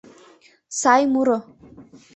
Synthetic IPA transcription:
sajmuɾo

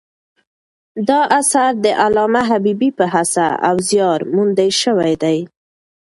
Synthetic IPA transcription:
d̪ɑʔasaɾd̪əʔalɑmaɦabibipəɦasa̰a̰wzjɑɾmund̪ajʃəwajd̪aj

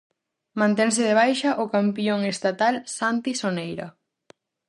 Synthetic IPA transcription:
mãnt̪ɛŋs̬ɪðeβ̞ajʃɐʔokampjoŋest̪at̪alsant̪isonejɾɐ̰

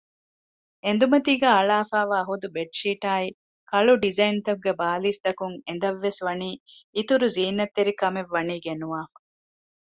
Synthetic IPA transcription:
end̪umɐt̪iːɡæːɐɭaːfaːʋaːɦud̪ubeʈʃiːʈaːi | kɐɭuɖizɐint̪ɐɡɡːebaːliːst̪ɐkuŋen̆d̪ɐʋːesʋɐniːit̪uɾuziːnːɐt̪ːeɾikɐmeʋːɐniːɡenuʋaːfɐ

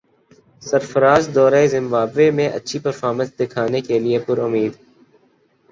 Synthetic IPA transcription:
səɾfəɾaːzd̪ɔːɾaːezɪ̃mbaːbʋemẽʔɐ̰tːʃʰipəɾfaːɾmə̃nsd̪ɪkʰaːnekelɪepʊɾʊmiːd̪

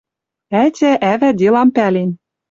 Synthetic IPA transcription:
ætʲæʔævæd̪ʲelˠɑmpælenʲ

